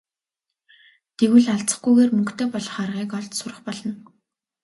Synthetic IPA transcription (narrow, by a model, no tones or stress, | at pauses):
t̪eɣwɘ̆ɮaɮt͡sə̥̆χɡujɣeːrmɵŋkt̪ʰeːpɔɮ̆χarʁiːkɔɮt̪sʊrə̆χpɔɮɞ̆n